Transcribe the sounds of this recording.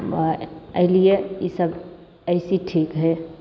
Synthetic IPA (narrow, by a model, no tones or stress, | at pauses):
əɦlijeisəb | əɪsiʈʰiːkɦɛ